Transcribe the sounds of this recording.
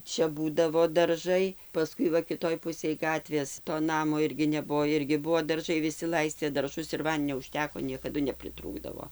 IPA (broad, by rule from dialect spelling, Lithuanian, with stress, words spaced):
ˈt͡ʃʲɛ ˈbuːdɐʋoː dɐrˈʒɐɪ pɐˈskʊɪ ʋɐ kʲɪˈtoːj ˈpʊsʲeːj ˈɡɑːtʲʋʲeːs toː ˈnɑːmoː ˈɪrʲɡʲɪ ˈnʲæːbʊʋoː ˈɪrʲɡʲɪ ˈbʊʋoː dɐrˈʒɐɪ ʋʲɪˈsʲɪ ˈlˠɐɪsʲtʲeː dɐrˈʒʊs ɪr ˈʋɐnʲdʲɪnʲoː ʊˈʃʲtʲæːkoː nʲiɛkɐˈdʊ nʲɛpʲrʲɪˈtruːɡdɐʋoː